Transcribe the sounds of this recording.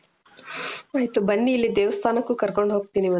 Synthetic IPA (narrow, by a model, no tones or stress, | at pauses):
aːjt̪ubɐɳːijilːid̪eːʋɐst̪ʰaːnɐkːukɐɾko̞ɳɖɦoːɡ̚t̪iːniʋɐ